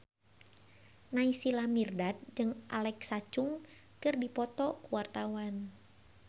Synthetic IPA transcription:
naisilamirdat̪̚d͡ʒɨŋʔa̰lɛksat͡ʃʊŋ | kɨrdipɔt̪ɔkuwart̪awan

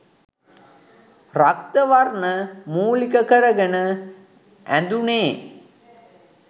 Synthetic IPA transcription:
rak̚t̪əʋarnəmuːlikəkəɾəɡənə | ænd̪uneː

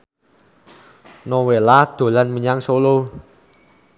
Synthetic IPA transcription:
nowelad̪̥o̤lanmiɲaŋsolo

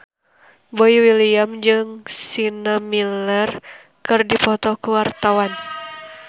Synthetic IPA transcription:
bɔiwiliamd͡ʒɨŋsinamilɛr | kɨrdipɔt̪ɔkuwart̪awan

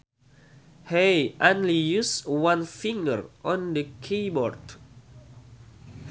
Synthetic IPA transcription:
heʔõnlijuswãnfĩŋɡə̰ɹʔɔ̃ndəkʰibɔɹd

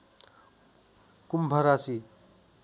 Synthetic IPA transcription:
kumbʱʌɾasi

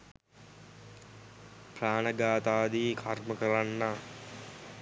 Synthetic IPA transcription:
praːnəɡaːt̪aːd̪iːkʰarməkəɾanːaː

